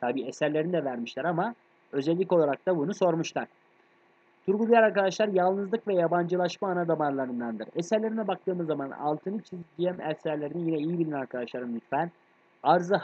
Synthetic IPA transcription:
t̪ʰabiːesæɾlʲe̞ɾinid̪ɛvæɾmiʃlʲæɾama | ø̞zɛlʲːicolˠaɾak̚t̪abunuso̞ɾmuʃlˠaɾ̥ | t̪ʰuɾɡud̪ujaɾaɾkad̪aʃlˠaɾjalˠnɯzlˠɯkvɛjaband͡ʒɯlˠaʃmaːnad̪amaɾlˠaɾɯnd̪and̪ɯɾesæɾlʲe̞ɾinɛbak̚t̪ɯːmɯzːamana̰lˠt̪ʰɯnɯt͡ʃʰizd͡ʒijɛmɛsæɾlʲe̞ɾinijinɛijibilʲinɛnaɾkʰad̪aʃlˠaɾɯmlyt̪fæn | aɾzɯ

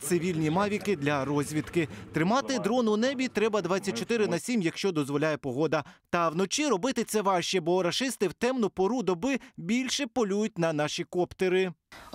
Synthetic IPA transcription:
t̪sɪʋʲilʲnʲimɑʋʲikɪd̪lʲɐɾɔzʲʋʲit̪kɪt̪ɾɪmɑt̪ɪd̪ɾɔnʊnɛbʲit̪ɾɛbɐd̪ʋɑt͡sʲːɐt̚ʲt͡ʃɔt̪ɪɾɪnɐsʲimjɐkʃt͡ʃɔd̪ɔzʋɔlʲajɛpɔɦɔd̪ɐt̪ɐwnɔt͡ʃiɾɔbɪt̪ɪt̪sɛʋɑʃt͡ʃɛbɔɾɐʃɪst̪ɪwt̪ɛmnʊpɔɾud̪ɔbɪbʲilʲʃɛpɔlʲujʊt̚ʲnɐnɑʃikɔpt̪eɾɪ

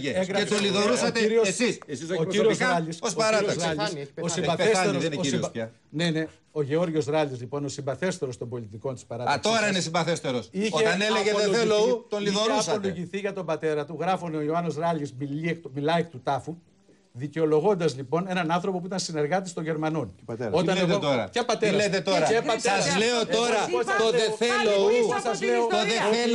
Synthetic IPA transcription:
eɡɾeoliðoɾusɐiɾiossissociɾiozɾɐlisosɐɾɐioɐɾɐlisossibɐeseɾoo | ne̞ne̞ | o̞ʝeo̞ɾʝo̞zɾɐlizlipo̞no̞simbɐθe̞st̪e̞ɾost̪ombo̞lit̪iko̞nt̪i̥spɐɾɐt̪ɐkt̪oɾɐinesimbɐθest̪eɾosiçoeɐneleʝeeelot̪onliðonuɐsɐoloʝiθiʝɐt̪o̞mbɐt̪e̞ɾɐt̪uɣɾɐfo̞neo̞ioɐno̞zɾɐlizmiliekmilɐekt̪ut̪ɐfu | ðiceo̞lo̞ɣo̞nd̪ɐzlipo̞ne̞nɐnɐnθɾo̞po̞p̬uit̪ɐnsine̞ɾɣɐt̪ist̪o̞ʝe̞ɾmɐno̞no̞t̪ɐneot̪oɾɐcepɐt̪eɾɐlet̪et̪oɾɐepɐtsɐzleot̪o̞ɾɐt̪oðeθelousɐzleooðe

